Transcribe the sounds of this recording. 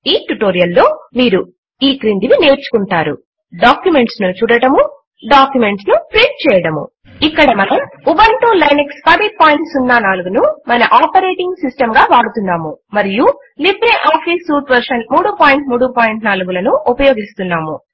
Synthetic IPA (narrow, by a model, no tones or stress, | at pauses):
iːʈuʈoːɾijɐlːo̞ːmiːɾu | iːkɾiːnd̪iʋine̞ːɾt͡ʃu̥kuɳʈaːɾṵ | ɖaːkjume̞ɳʈsnut͡ʃuːɽɐʈɐmu | ɖaːkjume̞ɳʈsnupɾiʈ̚t͡ʃɛːjɐɽɐmṵ | ikːɐɽɐmɐnɐmubɐɳʈuːlɐjnekspɐd̪ipaːjiɳʈsunːaːnaːluɡunumɐnɐʔaːpɐɾeːʈiŋɡsisʈɐmɡaːʋaːɽut̪und̪aːmumɐɾiju | libɾeʔaːpʰisuːʈʋɐɾʂɐnmuːɽupaːjiɳʈmuːɽupaːjiɳʈnaːluɡulɐnuupɐjo̞ːɡist̪unːaːmu